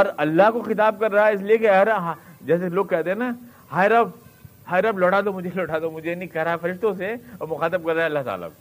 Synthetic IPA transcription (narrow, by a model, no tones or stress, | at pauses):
ɔːɾɐlːaɦkoxɪt̪aːb̚kɐɾːaɦɛɪs̬liekeɐɾɦd͡ʒɛːseloːɡ̚kɛɦt̪ẽna | haːjɾɐbhaːjɾɐblɔːʈaːd̪omʊd͡ʒʱelɔːʈaːd̪omʊd͡ʒʱenĩkɐɦɾaɦɛfɐɾɪʃt̪õseɔmʊxaːt̪əb̚kɐɾːaɦɛɐlːat̪a̰ːla̰ko